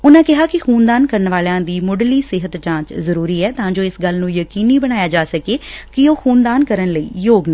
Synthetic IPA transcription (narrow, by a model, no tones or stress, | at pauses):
ʊnãːkɪɦaːkɪxuːnd̪aːnkəɾənʋaːlãːd̪iːmʊɖliːsɪɦət̪t͡ʃãːt͡ʃzəɾuːɾiːɛːt̪ãːd͡ʒoːɪsɡəlnũːjəkiːniːbəɽ̃aːjaːd͡ʒaːsəkeːkɪoːxuːnd̪aːnkəɾənləḭːjoːɡnaː